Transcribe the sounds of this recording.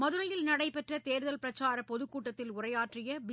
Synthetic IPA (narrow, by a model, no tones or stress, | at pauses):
mɐðɯɾɐjɪlnɐɽɐɪpɛʈrɐt̪eːɾðɐlpɪɾɐt͡ʃːaːɾɐpɔðɯkːuːʈːɐt̪ːɪlʊrɐjaːʈrɪjɐʋ